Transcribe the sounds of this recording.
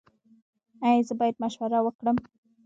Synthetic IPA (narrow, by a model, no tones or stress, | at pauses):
ajzəbɑjad̪̚maʃwaɾawəkɽəm